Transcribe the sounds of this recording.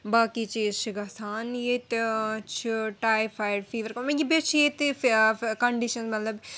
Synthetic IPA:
baːkit͡ʃiːzt͡ʃʰiɡasaːnjet̪t͡ʃʰiʈaːjfʰaːjɖfʰiːʋəɾkomẽɡibet͡ʃʰjet̪ | kɐɳɖiʃɐnmɐt̪lɐb

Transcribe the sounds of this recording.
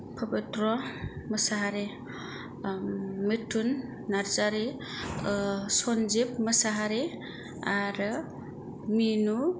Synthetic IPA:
pʰɔbitɾɔməsaɦaɾe | mitʰːunː | aɾzaɾe | sɔnd͡ʒip̚məsaɦaɾe | aɾɯ | minu

